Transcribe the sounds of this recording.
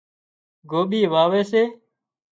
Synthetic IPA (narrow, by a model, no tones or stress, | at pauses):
ɡoːɓiːʋaːʋeːseː